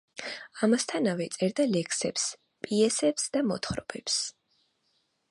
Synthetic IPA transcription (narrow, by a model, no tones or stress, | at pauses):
amast̪ʰanavɛt̪sʼɛɾd̪alɛkʰsɛps | pʼiɛsɛpsd̪amɔt̪ʰχɾɔb̥ɛps